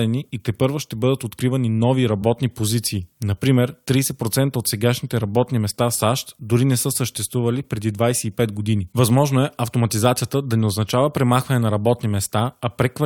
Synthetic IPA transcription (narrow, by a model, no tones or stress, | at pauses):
ɛniit̪ɛpɤɾvoʃt̪ɛbɤd̪ət̪ot̪kɾivɐninɔviɾɐbɔt̪nipozit̪siːnɐpɾimɛɾt̪ɾiːsɛpɾot̪sɛnt̪əot̪sɛɡaʃnit̪ɛɾɐbɔt̪nimɛst̪asaʃt̪d̪ʊɾinɛsɤsəʃt̪ɛst̪vuvɐlipɾɛd̪id̪vajsɛipɛt̪ɡod̪inivɐzmɔʒnoɛʔɐft̪omɐt̪izat̪sijət̪əd̪ɐnɛoznɐt͡ʃavəpɾɛmaxvɐnɛnɐɾɐbɔt̪nimɛst̪aɐpɾɛkvɐ